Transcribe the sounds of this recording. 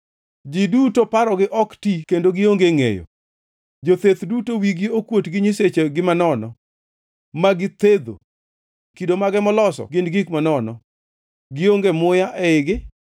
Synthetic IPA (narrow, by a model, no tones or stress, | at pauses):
d͡ʒidutopaɾɔɡɪʔɔktikendoɡɪoŋɡeŋḛjo̰ | d͡ʒot̪et̪dutowiɡiokwotɡɪɲiset͡ʃeɡɪmanɔnɔ̰ | maɡɪt̪ed̪o̰ | kidomaɡɛmɔlɔsɔ̰ɡɪnɡikmanɔnɔ̰ | ɡɪoŋɡemʊjaʔɛɪɡɪ